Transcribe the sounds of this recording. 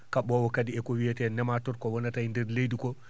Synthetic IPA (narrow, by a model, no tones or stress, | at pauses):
kaɓɔwɔkadiɛkɔwijɛtɛnɛmatɔɾkɔwɔnatajndɛɾlejdikɔ